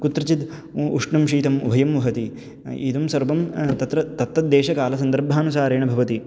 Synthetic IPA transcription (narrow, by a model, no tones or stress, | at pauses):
kut̪ɾɐt͡ʃit̪ | uʂɳɐmʃiːt̪ɐmṵbʱɐjɐmʋɐɦɐt̪i | ḭd̪ɐmsɐɾʋɐmt̪ɐt̪ɾɐt̪ɐt̪ːɐt̪̚d̪eːʃɐkaːlɐsɐnd̪ɐɾbʱaːnusaːɾeːɳɐbʱɐʋɐt̪i